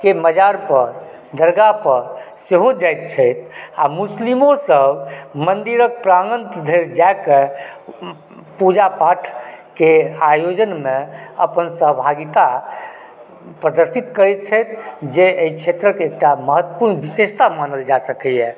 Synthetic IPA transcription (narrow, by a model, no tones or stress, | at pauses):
keməd͡ʒaɾpəɾ | d̪əɾɡapəɾ | seɦod͡ʒajt̪̚t͡ʃʰəjt̪ʰa̰muslimosəbmənd̪iɾək̚pɾaɡənt̪d̪ʱeɾd͡ʒaeke | pud͡ʒapaʈʰkeajod͡ʒənmeə̰pənsəɦbʱaɡit̪a | pɾəd̪əɾsit̪kəɾɛt̪̚t͡ʃʰəjt̪̚ʰd͡ʒeeit͡ʃʰet̪ɾəkek̚ʈaməɦət̪ːəpuɾnbisest̪amanəld͡ʒasəkɛjɛ